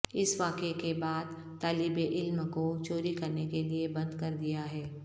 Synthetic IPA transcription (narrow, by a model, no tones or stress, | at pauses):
ɪsʋaːkekebaːd̪ | t̪aːlɪbeʔɪlmkot͡ʃoːɾikɐɾnekeliebɐ̃nd̪kɐɾd̪ijaɦɛː